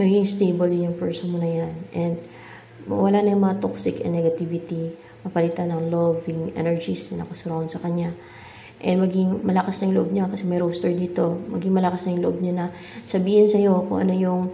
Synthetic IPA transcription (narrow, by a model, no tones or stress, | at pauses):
mɐɡiŋst̪ejbɐljʊnjʊŋpɛɹsonmonɐjanʔɛnd̪̚ | mɐ̰wɐlanɐjʊŋmɐŋat̪oksɪkɛ̰nːɛɡɐt̪ivɪt̪i | mɐpɐlit̪anɐŋlovɪŋʔɛ̰nɛɹd͡ʒisnɐnɐkɐsʊɾawnsɐkɐɲa | ʔɛnmɐɡɪŋmɐlɐkasnɐjʊŋlʊʔob̚ɲakɐsɛmɐjɾowst̪ɐɹd̪iːt̪o̞mɐɡiŋmɐlɐkasnɐjʊŋlʊʔob̚ɲanɐ | sɐbiːhɪnsɐjo̞kʊ̰ŋʔɐ̰no̞jʊŋ